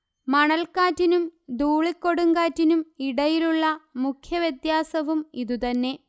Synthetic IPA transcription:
mɐɳɐlkaːtːinumd̪uːɭikːo̞ɽuŋɡaːtːinumiɽɐjiluɭːɐmukʰjɐʋjed̪jaːsɐʋumiðut̪ɐnːe̞

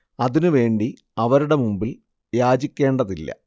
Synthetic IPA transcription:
ɐðinɨʋe̞ːɳɖi | ɐʋɐɾuɽe̞mumbil | jaːd͡ʑikʲːe̞ːɳɖɐðilːɐ̰

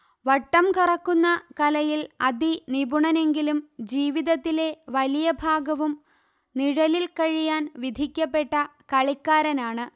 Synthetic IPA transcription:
ʋɐʈːɐmkirɐkːunːɐkɐlɐjilɐd̪inibuɳɐne̞ŋɡilumd͡ʑiːʋiðɐt̪ːile̞ʋɐlijɐbʱaːɡɐʋum | niɻɐlilkɐɻijaːnʋid̪ʱikʲːɐpːe̞ʈːɐkɐɭikːaːɾɐnaːɳɨ

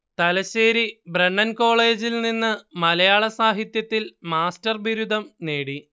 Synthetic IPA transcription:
t̪ɐlɐɕeːɾibreɳːɐnko̞ːɭe̞ːd͡ʑilninːɨmɐlɐjaːɭɐsaːɦit̪jɐt̪ːilmaːstɐrbiɾud̪ʱɐmne̞ːɽi

